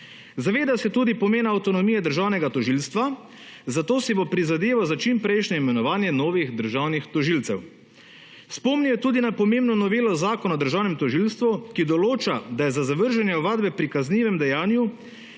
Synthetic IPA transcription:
zaʋeːd̪asɛt̪uːd̪ipɔmeːnawt̪ɔnɔmijɛd̪əɾʒawnɛɡat̪ɔʒilst̪ʋa | zat̪oːsibopɾizad̪eːʋawzat͡ʃimpɾɛjʃnɛimɛnɔʋaːnjɛnoːʋiɣd̪əɾʒaːwnixt̪ɔʒilt̪sɛw | spɔmnijɛt̪uːd̪inapɔmeːmbnɔnɔʋeːlɔzaːkɔnaɔd̪əɾʒaːwnɛmt̪ɔʒilst̪ʋukid̪ɔloːt͡ʃad̪ajɛzazaʋəɾʒɛnjɛɔʋaːd̪bɛpɾikazniːʋɛmd̪ɛjaːnju

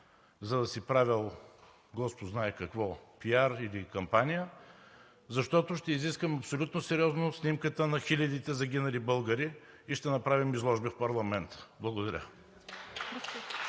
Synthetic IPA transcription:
zɐd̪ɐsipɾavʲilˠ | ɡɔspʊznaɛkɐkvɔpiaɾilikɐmpanijə | zɐʃt̪ɔt̪oʃt̪ɛiziskvəmɐpsolʲut̪nosɛɾʲiɔznosnimkət̪ənɐxilʲɐd̪it̪ɛzɐɡʲinɐlibɤlˠɡəɾi | iʃt̪ɛnɐpɾavimizlˠɔʒbifpɐɾlˠɐmɛnt̪ə̥blˠɐɡod̪ɐɾʲə̰

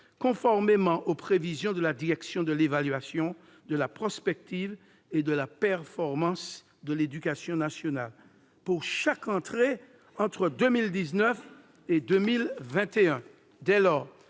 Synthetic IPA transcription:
kɔ̃fɔʁmemɑ̃ʔopχevizjɔ̃d̪əlad̪iʁɛksjɔ̃d̪əlevalɥasjɔ̃ | d̪əlapχɔspɛk̚t̪iv | ed̪əlapɛʁfɔʁmɑ̃s | d̪əled̪ykasjɔ̃nasjɔnal | puʁʃakɑ̃t̪χe | ɑ̃t̪χəd̪ømild̪iznœf | ed̪ømilvɛ̃t̪eɛ̃ | d̪ɛlɔʁ

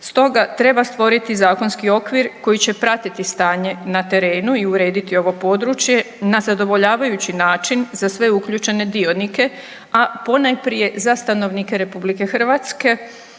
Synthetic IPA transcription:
st̪o̞ɡat̪ɾe̞bast̪ʋo̞ɾit̪izaːko̞nskio̞kʋiɾko̞jit͡ɕe̞pɾat̪it̪ist̪aːɲe̞nat̪e̞ɾe̞ːnuiuɾe̞ːd̪it̪io̞ʋo̞po̞ːd̪ɾut͡ʃje̞ | nazad̪o̞ʋo̞ʎaːʋajut͡ɕinaːt͡ʃinzasʋe̞ukʎut͡ʃe̞ne̞d̪io̞nike̞ | apo̞najpɾije̞zast̪ano̞ʋnike̞ɾe̞publike̞xr̩ʋat̪ske̞

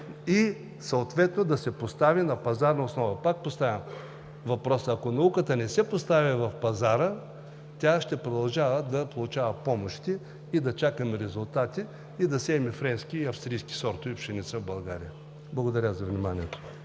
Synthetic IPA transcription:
i | sɐot̪vɛt̪nod̪ɐsɛpost̪avinɐpɐzaɾnɐʊsnɔvɐpak̚post̪avʲəm | vɐpɾɔsəɐkonɐukət̪ənɛsɛpost̪avʲivɐfpɐzaɾə | t̪ʲaʃt̪ɛpɾod̪ɐlˠʒavəd̪ɐpolˠʊt͡ʃavəpɔmoʃt̪iː | d̪ɐt͡ʃakəmɛɾɛzʊlˠt̪at̪iː | d̪ɐsɛmɛfɾɛnskʲiɐfst̪ɾijskʲi̥sɔɾt̪oiopʃɛnit̪səvbɐlˠɡaɾḭjə | blˠɐɡod̪ɐɾʲazɐvnʲimaniɛt̪o̥

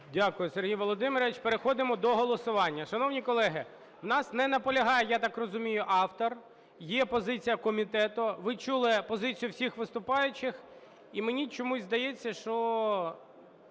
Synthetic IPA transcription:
dʲakʊjʊserɦʲijʋɔlˠɔd̪ɪmɪɾɔʋʲɪt͡ʃpeɾexɔd̪ɪmɔd̪ɔɦɔlˠɔsʊʋɑnʲːɐʃɐnɔwnʲikɔlˠɛɦɪ | wn̪ɑsnɛnɐpɔlʲɐɦɑjɛjat̪ɑkrɔzʊmʲijʊʔɑwt̪ɔr | jɛpɔzɪt͡sʲijɐkɔmʲit̪ɛt̪ʊʋɪt͡ʃulˠɪpɔzɪt͡sʲijʊwsʲixʋɪst̪ʊpɑjʊt͡ʃɪx | imenʲit͡ʃɔmuzʲzd̪ɐjet͡sʲːɐʃt͡ʃɔ

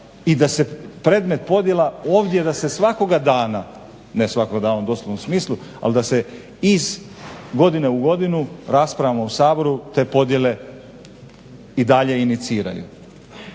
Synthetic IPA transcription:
id̪ase̞pɾe̞ːd̪me̞t̪̚po̞d̪je̞lao̞ːʋd̪je̞d̪ase̞sʋako̞ɡad̪aːna | nesʋako̞ɡad̪aːnaud̪o̞sloʋnomsmiːslˠu | a̰ld̪ase̞ | iz | ɡo̞d̪ine̞uɡo̞d̪inuɾaspɾaʋmousaːbo̞ɾut̪e̞ːpo̞d̪je̞le̞ | id̪aʎe̞init̪siːɾa̰jṵ

